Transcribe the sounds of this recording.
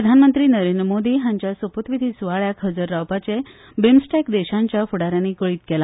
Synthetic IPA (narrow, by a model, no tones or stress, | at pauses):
ɾəd̪ʱanmənt̪ɾiːnəɾend̪ɾəmod̪iːɦãɲt͡ɕjasəpot̪ʋid̪ʱiːsuʋaɭjakɦəd͡zəɾːawpat͡se | bemsʈakd̪eɕãɲt͡ɕjafuɽaɾjaniːkəɭiːt̪kɛla